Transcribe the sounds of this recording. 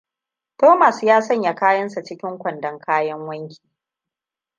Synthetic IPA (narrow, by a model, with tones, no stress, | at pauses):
toː˦ma˨sjaː˦sɐ˦˨ɲja˨kaː˦jɐ˦nsa˨t͡ʃɪ˦kʲɪ˦ŋkʷɐ˨ndɐ˨ŋkʰaː˦jɐ˦ŋwɐ˦ŋkʲi̥ː˨